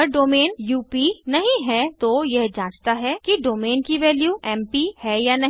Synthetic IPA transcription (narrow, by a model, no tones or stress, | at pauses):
əɾɖoːmeːnjuːpinɐɦĩɦɛt̪ojɛɦd͡ʒãːt͡ʃt̪aɦɛkiɖoːmeːnkiʋɛːljuɛːmpihɛjanɐɦ